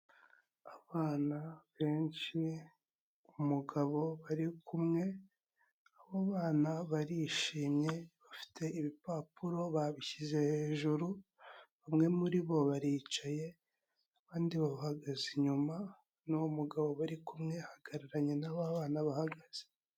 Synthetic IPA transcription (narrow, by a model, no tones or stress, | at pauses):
aβaːnaβe̞ːnʃi | umuɡaβo̞βaɾikʰumŋe̞ | aβaβaːnaβaɾiʃiːmɲe̞βafi̥tʰe̞iβipapuɾo̞βaβiçize̞he̞ːʒuɾu | βamŋe̞muɾiβo̞βaɾiːt͡ʃaje̞ | aβaːndiβaβahaɡaziɲuma | nuumuɡaβo̞βaɾikumŋe̞haɡ̥aɾiɾaɲe̞naβaβaːnaβahaɡaz̥e